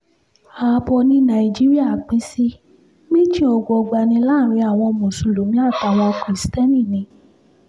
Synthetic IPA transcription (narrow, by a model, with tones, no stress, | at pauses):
a˨˧bɔ˧nĩ˧˦nã˨i˨d͡ʒi˦ɾi˦a˦˨k͡pi˨˦si˦ | mĩ˦ti˦ɔ˧˨ɡ͡bɔ˧ɡ͡ba˧˨nĩ˧˦la˦˨ɾ̃ĩ˧˦a˦˨w̃ɔ̃˧mõ˨su˨lo˨˦mĩ˦a˦˨ta˨˧˨wa˧kɾi˨stɛ˦nĩ˦˨nĩ˨˧˦